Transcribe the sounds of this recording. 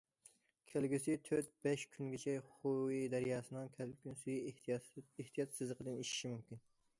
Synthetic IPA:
kʲʰælɡʲysɪt̪ʰøɾt̪̚bɛʃkʲʰynɡʲet͡ʃʰɛχowid̪ɛɾjɑːsɨnɨŋkʲʰɛlkʲynsuji | eht̪ʰijɑt̪sɨzləqʰəd̪ɨniʃi̥ʃimymkʲin

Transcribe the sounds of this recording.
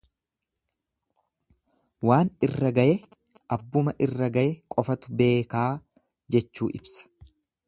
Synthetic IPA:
waːnɪrːɐɡɐjɛ | ʔɐbːʊmɐʔɪrːɐɡɐjɛkʼɔfɐt̪ʊbe̞ːkaː | d͡ʒɛt͡ʃːuːʔɪ̰bsɐ̥

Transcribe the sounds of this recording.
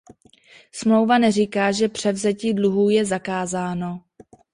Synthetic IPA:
smlo̞wvanɛrikaːʒɛpr̥ɛvzɛciːdluɦuːjɛzakaːzaːno̞

